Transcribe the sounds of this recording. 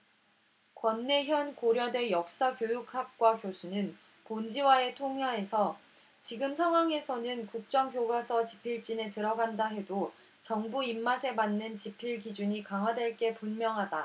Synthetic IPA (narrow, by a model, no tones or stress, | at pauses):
kwʌnːe̞çjʌnkoɾjʌdwe̞jʌk̚s͈akjojuk̚ʰhak̚k͈wakjosʰunɯn | pond͡ʑiwae̞tʰoŋjae̞sʰʌ | t͡ɕiɡɯmsʰaŋɦwaŋe̞sʰʌnɯnkuk̚t͡ɕ͈ʌŋkjoɡasʰʌt͡ɕi̥pʰiɭt͡ɕ͈ine̞tɯɾʌɡandaɦe̞do | t͡ɕʌŋbuimːasʰe̞manːɯnt͡ɕipʰiɭkid͡ʑuɲikaŋɦwadwe̞ɭk͈e̞punmjʌŋɦada